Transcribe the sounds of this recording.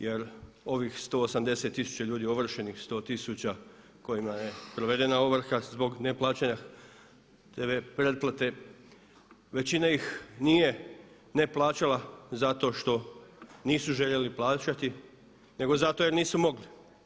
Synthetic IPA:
je̞ɾ | o̞ʋixst̪o̞osamd̪e̞se̞t̪ːisu̥t͡ɕaʎuːd̪io̞ʋr̩ʃe̞nixst̪o̞ːt̪isut͡ɕa | ko̞jimaje̞pɾo̞ʋe̞d̪e̞naoʋr̩xazbo̞ɡne̞plˠaːt͡ɕaɲa | t̪eʋepɾed̪̚plˠat̪e̞ | ʋe̞t͡ɕinaixniːje̞ | ne̞plˠaːt͡ɕalazat̪o̞ːʃt̪o̞niːsuʒeʎeliplˠaːt͡ɕat̪i | ne̞ɡo̞zat̪o̞je̞ɾniːsumo̞ɡli

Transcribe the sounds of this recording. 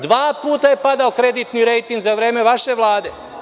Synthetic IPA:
d̪ʋaːpuːt̪aje̞pad̪aokɾe̞d̪it̪niɾejt̪iŋɡzaʋɾeːmeʋaʃeʋlˠaːd̪e

